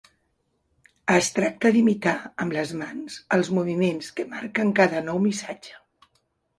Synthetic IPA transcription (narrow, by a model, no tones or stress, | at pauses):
əst̪ɾak̚t̪əðimit̪aəmləzmanz̥əlˠzmuβ̞imenskəmaɾkəŋkaðənɔwmisad͡ʒə̥